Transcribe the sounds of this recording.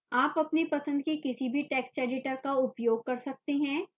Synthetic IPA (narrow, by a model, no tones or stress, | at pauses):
aːpɐpnepɐsə̃nd̪̚kikɪsibʱiʈɛːkskɾeːɖɪʈəɾkaʊpjoːɡ̚kɐɾsɐk̚t̪eɦɛ̃ː